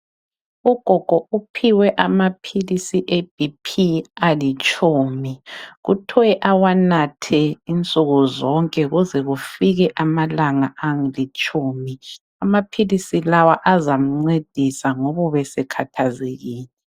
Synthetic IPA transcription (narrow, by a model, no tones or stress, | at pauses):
uɡ̥ʱɔɡ̥ʱɔʔupʰiwɛʔamapʰilisiʔeb̥ʱipʰialit͡ʃʼuːmiɣutʰɔwɛʔawanatʰɛint͡sʼuɣuzɔŋkʼɛɣuzɛɣufiɣɛʔamalaŋaaŋilit͡ʃʼuːmi | amapʰilisilawaʔazam̩ŋ͡ǀed̥ʱisaŋɔβɔβɛsɛkʰatʰazeɣiːlɛ